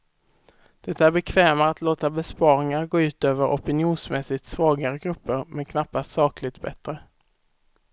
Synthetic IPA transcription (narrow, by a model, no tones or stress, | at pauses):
d̪̥ɛt̪ːaæɾbɛkʰvɛːmaːt̪loːt̪abɛspɑːɾɪŋaɾɡoːʉ̟ːt̪øːvəɾʔɔpɪnɪuːnsmɛsɪt̪svɑːɡaɾəɡɾɵpːəɾmʔɛnkʰnapːast̪sɑːklɪɡ̚t̪bɛ̰t̪ɾə